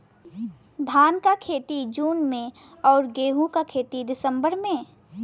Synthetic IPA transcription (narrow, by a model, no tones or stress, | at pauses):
d̪ʱaːnkakʰeːt̪id͡ʒuːnmẽ | ɔːɾɡeːɦũkakʰeːt̪id̪ɪsə̃mbəɾmẽ